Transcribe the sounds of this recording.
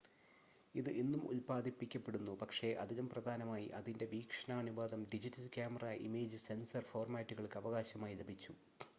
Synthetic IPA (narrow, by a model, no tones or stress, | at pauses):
iðɨʔenːumʔṵlpaːd̪ʱipːikʲːɐpːe̞ɽunːupɐkʂe̞ʔɐðinɐmprɐd̪ʱaːnɐmaːjḭʔɐðinde̞ʋiːkʂɐɳaɐnuʋaːd̪ɐmɖid͡ʑitːɐlkʲjaːmɐrɐʔḭmeːd͡ʑɨse̞nsɐrfo̞ːrmaːtːuɣɐɭkɨɐʋɐɣaːɕɐmaːjile̞bʱit͡ɕːu